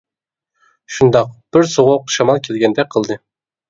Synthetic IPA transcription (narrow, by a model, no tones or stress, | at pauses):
ʃund̪ɑq̚b̥ɪɾsoʁʊqʃɑmɑlˠkʲʰelɡʲɛnd̪ɛk̚ʲqʰəlˠd̪ɨ